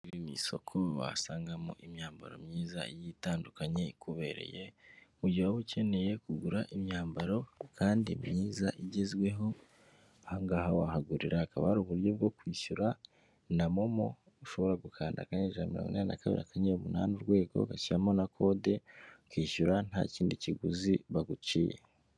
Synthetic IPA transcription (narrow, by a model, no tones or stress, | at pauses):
iβimḭsokʰoβa̰saːŋɡamo̰ʔimɲaːmba̰ɾo̞̰mɲiːza̰ijitaːndukaɲe̞ikuβe̞ɾe̞̰jemuɟiwaβuce̞ne̞je̞kuɡuɾaʔimɲaːmbaɾo̞kʰaːndimɲiːzaʔiɟezɡwe̞ɦo̞ | haŋɡahawahaɡuɾiɾʔaakaβahaɾuβuɾjo̞b̚ɡo̞kwiːʃuɾa | namomo | uʃo̞βo̞ɾaɡukʰaːnda̰kaɲeʒanamiɾo̰ŋɡunaːnina̰kaβḭɾiakaɲeumuna̰ːnuɾɡwe̞ːɡo̞̰ɡaciamo̞nakʰo̞de̞kwiːʃuɾan̥ha̰ːciːndiciɡuziβaɡut͡ʃijḛ